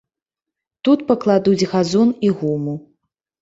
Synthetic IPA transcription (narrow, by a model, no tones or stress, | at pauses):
t̪ut̪pɐklˠad̪ud͡zʲɣazɔniɣumu